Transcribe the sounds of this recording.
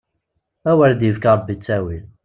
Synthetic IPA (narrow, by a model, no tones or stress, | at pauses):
æwæɾd̪jəvkɑɾˤbːit͡sːæwil